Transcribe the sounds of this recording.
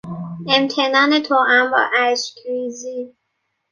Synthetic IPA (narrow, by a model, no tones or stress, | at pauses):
e̞mt̪ʰe̞nɒːne̞t̪ʰoʔæmbɒ̰ːʔæʃkɾiːzi